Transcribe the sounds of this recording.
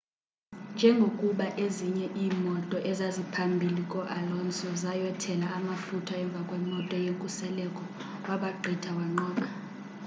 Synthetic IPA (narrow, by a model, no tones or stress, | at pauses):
nd͡ʒʱɛŋɡʱokʼuɓaʔeziɲɛʔiːmɔtʼɔʔɛzazipʰambʱilikʼɔʔalɔnsʼɔzajɛtʰɛlaʔamafutʰaɛɱb̪vʱakʼwɛmɔtʼɔjeŋkʼusɛlɛkʼɔ | waɓaɡ͡ǃʱitʰawaŋ͡ǃɔːkʼa